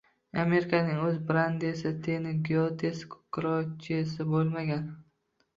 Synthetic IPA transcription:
ame̞ɾɪkʰanɪŋɵzbɾand̪esɪt̪ʰenɪɡiot̪ʰeskʰʊ̥kɾɒt͡ʃʰesɪbolˠmaɡʲan

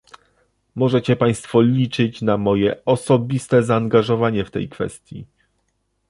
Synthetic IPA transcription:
mɔʐɛt͡ɕɛpaj̃st̪fɔlʲit͡ʂɘt͡ɕnamɔjɛɔsɔbʲist̪ɛzaːŋɡaʐɔvaɲɛft̪ɛ̰jkfɛ̰st̪ʲjḭ

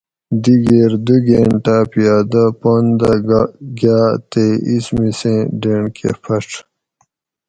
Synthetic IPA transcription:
d̪iɡeːɾd̪uɡeːɳʈaːpijaːd̪ɐpoːnd̪aɡɡjaːt̪eismisẽːɖeɳkḛfʰɐʈ͡ʂʰ

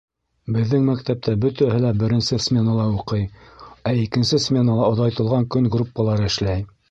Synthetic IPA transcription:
bɘ̆ðːɘŋmæk̚t̪æp̚t̪æbɵt̪æhɘlæbɘ̆ɾɘ̆nsɘsmʲenalˠɑuqɤjæikɘ̆nsɘsmʲe̞nalˠɑŏðɑjt̪ɤ̆lˠʁɑŋkɵŋɡrupːalˠɑɾɤɘ̆ʃlæj

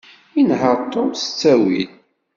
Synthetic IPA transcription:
inɦəɾˤt̪ˤːosə̥t͡sːæwḭl

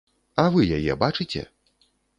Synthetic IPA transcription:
ɐvɨjajɛ̰bat͡ʂɨt͡sʲɛ̰

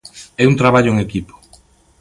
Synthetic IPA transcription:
ɛunt̪ɾaβaʎoeŋekipo̥

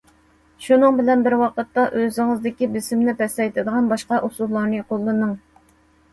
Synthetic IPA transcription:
ʃunɨŋbɪlɛnbɪɾwɑqət̪ːɑʔøzɪŋɨzd̪ɪkʲibɪsɪmnɪpɛst̪ɛjt̪ʰɪd̪əʁɑnbɑʃqɑʔusulˠːɑɾnɨqʰolˠːɨnɨŋ

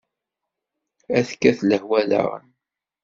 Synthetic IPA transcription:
æðkːæθləhwælə̰ʁə̰n

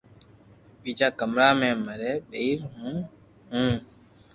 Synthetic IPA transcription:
biːd͡ʒaːkəmɾaːmẽːməɾeːɓeiɾɦũː | ɦũː

